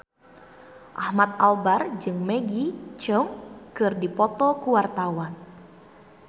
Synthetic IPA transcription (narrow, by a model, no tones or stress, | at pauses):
ʔahmat̪̚albard͡ʒɨŋmeɡit͡ʃəŋkɨrdipɔt̪ɔkuwart̪awan